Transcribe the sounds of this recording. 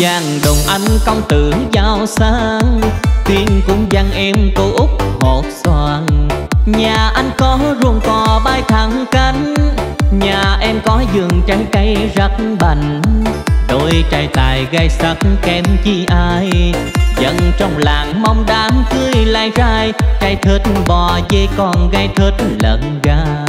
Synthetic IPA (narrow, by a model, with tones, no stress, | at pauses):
zaː˨˩ŋɗo˨˩ŋ͡mʔa˧˩jŋ̟kɔ˧wŋ͡mt̪ɨ˨˩əŋzaː˧˩wsaː˧˥ŋt̪i˧əŋkʊ̰˧˥ŋ͡mza˧ŋʔɛ˧mko˨˧˦ʔʊ˦˥k͡p̚ho˨˩t̚swaː˧˩nɲaː˨˩ʔa˧jŋ̟kɔ˨˦zu˨˩əŋkɔ˨˩ɓaː˧jt̪ʰa˨˩ŋka˧˦ŋ̟ɲaː˨˩ʔɛ˧mkɔ˨˦zɨ˨˩əŋt͡ɕaː˨˦jka˨˦jzə˦t̚ɓə˧˩ŋ̟ | ɗo˧jt͡ɕaː˧˩jt̪aː˨˩jɣa˧jsə˧˦˥t̚nkɛ˨˦mt͡ɕi˧˩ʔaː˧jzə̰˧˥nt͡ɕɔ˧wŋ͡mlaː˨˩ŋma˧wŋ͡mɗaː˨˦mkɨ˧əjlaː˧˨jzaː˧jt͡ɕa˧˩jt̪ʰɨ˨˥t̚ɓɔ˨˩zə˧jkɔ˧˩nɣa˧˩jt̪ʰɨ˧˥t̚lə̰˧˨nɣaː˧˦